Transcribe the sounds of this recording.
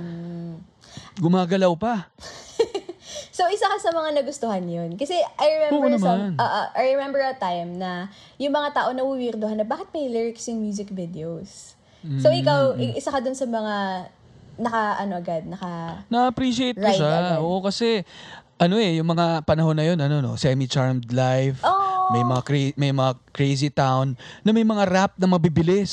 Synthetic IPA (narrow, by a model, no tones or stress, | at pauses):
m̩ | ɡʊmaːɡɐlawpɐ | sowʔɪsakɐsɐmɐŋanɐɡʊst̪ohanjonkɐsɛʔɐjɹɛmɛmanʔoːʔoʔɐjɹɛmɛmbɛɹɐt̪ajmnɐ | jʊŋmɐŋat̪aːʔo̞nɐwuwiɾd̪ʊhanɐbaːkɪt̪̚mɐjlɪɹɪksjʊŋmjuːsɪk̚vɪd̪ɛowsː | owʔɪkawʔɪʔɪsakɐd̪ʊnsɐmɐŋa | nɐkɐʔɐno̞ʔɐɡad̪̚nɐkɐnɐɐpɾiʃɪejt̪ɹkʊʃaʔoʔokɐsɛʔɐno̞ʔɛjʊŋmɐŋapɐnɐho̞nːɐjo̞nɐnono̞̰sɛmit͡ʃaɹmd̪lajfʔoːʔmɐjmɐŋakemɐjmɐŋakɹejsit̪awnːɐmɐjmɐŋaɾap̚nɐmɐbibɪlɪs